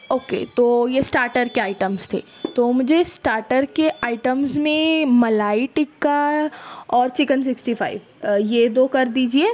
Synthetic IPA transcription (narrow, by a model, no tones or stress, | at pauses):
oːkḛt̪oːjesʈaːɾʈəɾkeaːɪʈəmst̪ʰḛː | t̪omʊd͡ʒʱesʈaːɾʈəɾkeʔaːɪʈəmzmẽmɐlaːiʈɪkːa | ɔːɾt͡ʃɪkənsɪksʈifaːɪʋ | jed̪oːkɐɾd̪iːd͡ʒieː